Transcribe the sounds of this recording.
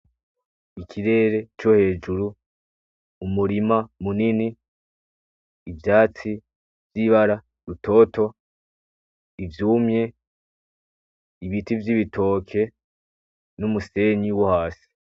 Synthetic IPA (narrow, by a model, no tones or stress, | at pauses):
ikʰiɾe̞ːɾe̞t͡ʃohe̞ːd͡ʒuɾuː | muɾimamunini | vjaːt͡si | vjiβaɾa | ɾutʰo̞ːto̞ | ivjuːmɲe̞ | iβitivjiβitʰo̞ːkʰe̞ | numuse̞ɲiwohaːsi̥